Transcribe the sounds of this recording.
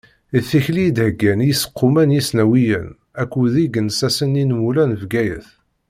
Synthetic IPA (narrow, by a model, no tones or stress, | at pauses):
iθːiçlid̪həɡænjisə̥qːʊmænjisnæwijə̰n | ækʷːuðiɡənsæsəninwulænəvɡæjə̰θ